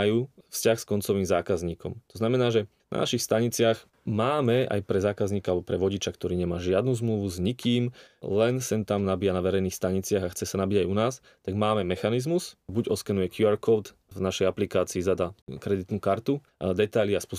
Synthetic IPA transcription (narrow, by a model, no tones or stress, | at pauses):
ajuːfscaxskɔnt͡sɔʋiːmzaːkazɲiːkɔ̰mt̪ɔznamɛnaːʒɛ | na̰na̰ʃixst̪aɲit͡sɪaɣ | maːmɛa̰jpɾɛzaːkazɲiːkaalbɔpɾɛʋɔɟit͡ʃakt̪ɔɾiːɲɛmaːʒɪad̪nuːzmluʋuzɲikiːmlɛnsɛnt̪amnabijanaʋɛɾɛjniːxst̪aɲit͡sɪaɣaxt͡sɛsanabiɟajunaːs | t̪aɡmaːmɛmɛxanizmusbuɟɔskɛnujɛkjuaɾkɔːt̪ | vnaʃɛjaplikaːt͡siːzad̪akɾɛd̪it̪nukaɾt̪u | d̪ɛt̪aliaspu